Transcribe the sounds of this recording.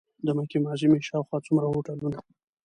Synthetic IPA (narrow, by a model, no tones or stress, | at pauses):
d̪əmakimɑʒimeʃɑwxwɑt͡sumɾahoʈaluna